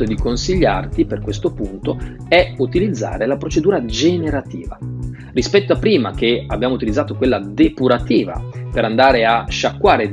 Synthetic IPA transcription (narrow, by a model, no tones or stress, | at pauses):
od̪ikonsiʎːa̰rt̪iperkwest̪opunt̪o | ɛut̪ilid̪zːa̰ːɾelapɾot͡ʃed̪uːɾad͡ʒeneɾat̪ḭːva̰ | rispɛt̪ːoapːɾiːma̰k̟eabːjaːmout̪ilid̪zaːt̪okwelːad̪epuɾat̪iːva̰peɾand̪aːɾeaʃːakːwaːɾe